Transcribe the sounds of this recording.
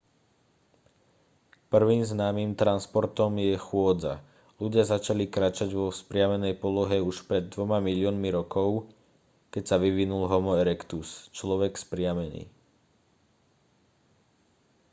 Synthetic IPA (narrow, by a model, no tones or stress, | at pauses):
pr̩ʋiːmznaːmiːmt̪ɾanspɔɾt̪ɔmjɛxʊɔd͡za̰ | luɟɪazat͡ʃalikɾaːt͡ʃaɟʋɔspɾɪamɛnɛjpɔlɔɦɛuʃpɾɛd̪ːʋɔmamilɪɔːnmiɾɔkɔʊ | kɛcsaʋiʋinulɦɔmɔɛɾɛkt̪ust͡ʃlɔʋɛkspɾɪamɛnḭː